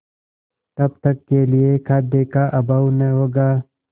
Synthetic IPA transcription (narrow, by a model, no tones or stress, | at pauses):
t̪ɐbt̪ɐkːeliekʰaːd̪ekaʔɐbawnɐɦoːɡaː